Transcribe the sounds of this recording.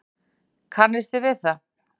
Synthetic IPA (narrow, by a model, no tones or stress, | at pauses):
kʰanːɪst̪ɪvɪðθa